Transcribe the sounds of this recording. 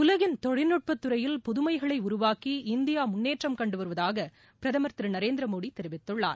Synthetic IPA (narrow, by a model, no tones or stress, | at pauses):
ʊlɐɣɪnt̪ɔɻɪnːɯʈ̚pɐt̪ːɯɾɐjɪlpʊðʊmɐɪɣɐɭɐɪʊɾʊʋaːkiɪnd̪ɪjaːmʊnːeːʈrɐmkɐɳɖɯʋɐɾɯʋɐðaːɣɐ | pɪɾɐðɐmɐɾt̪ɪɾɐnɐɾeːnd̪ɾɐmoːɽit̪ːɛɾɪʋɪt̪ːɯɭːa̰ːɾ